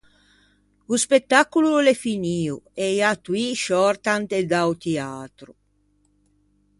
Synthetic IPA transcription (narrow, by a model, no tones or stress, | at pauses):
uspet̪ːakːululefiniːuejat̪wiʃɔɾt̪ant̪ed̪awt̪iaːt̪ɾu